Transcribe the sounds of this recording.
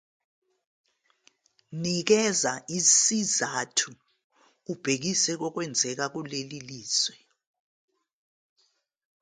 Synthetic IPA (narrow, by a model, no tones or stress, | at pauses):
nik̬ɛzaʔisizatʰuː | b̥ʱek̬isɛk̬ɔk̬wɛnd͡zʱɛk̬ak̬uleliliːswɛ